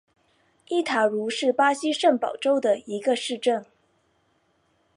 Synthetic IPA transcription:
i˥˩t̪ʰa˨˩ɻu˧˥ʂɻ̩˥˩pa˥ɕi˥ʂə˥˩npɑ˨˩ʊʈ͡ʂo˥ʊd̪ə˨i˧˥ɡə˧ʂɻ̩˥˧ʈ͡ʂə˥˩n

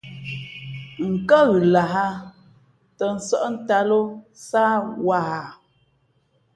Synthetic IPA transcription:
ŋ̩˨kə˦ɣʉ˨la˨ɦa˦ | tə˨n̩˨sə˦ʔn̩˦ta˦lo˦saː˦wa˦˨ha˨

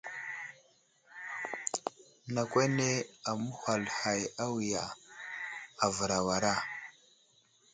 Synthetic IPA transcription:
na˨kʷa˦ne˦a˨mu˦ha˨lha˨ja˦wi˨ja˨ | a˨və˨ɾa˨wa˨ɾa˦˨

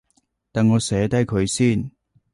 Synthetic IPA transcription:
t̪aː˨nŋɔː˨˧sɛː˨˥t̪ɐ˥jkʰɵ˨˧ɥsiː˥˨n

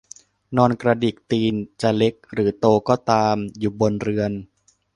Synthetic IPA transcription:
nɔː˧nkɾa˧di˨˩k̚t̪iː˧nt͡ɕa˨˩le˦˥k̚ɾɯː˩˦t̪oː˧kɔː˥˩t̪aː˧mjuː˨˩bo˧nɾɯ˧ən

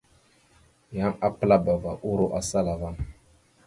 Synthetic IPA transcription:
ja˦ŋa˦pə˦la˦ba˨va˨ʔu˦ɾo˦ʔa˨sa˦la˨va˦n

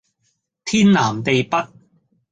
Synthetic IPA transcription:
t̪ʰiː˥nːaː˨˩mt̪e˨jpɐ˥t̚

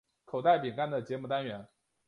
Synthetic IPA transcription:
kʰo˨˩ʊt̪a˥˩ɪpi˨˩ŋka˥nd̪ə˨t͡ɕjɛ˧˥mu˧˥t̪a˥nɥɛ˧˥n

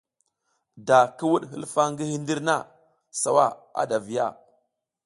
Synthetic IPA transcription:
da˨ki˦wu˦ɗɦḭ˦lfa˦ŋɡi˦hi˦ndi˦ɾna˦˨ | sa˨wa˦a̰˨da˨vi˨ja̰˦˨

